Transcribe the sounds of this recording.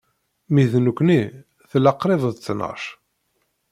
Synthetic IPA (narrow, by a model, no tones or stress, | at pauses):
miðnukʷːni | θlɑqːɾˤeðˤəðt͡sːnə̰ʃ